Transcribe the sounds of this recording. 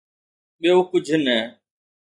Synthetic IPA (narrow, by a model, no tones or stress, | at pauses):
ɓɪjoːkʊd͡ʒʱnɛː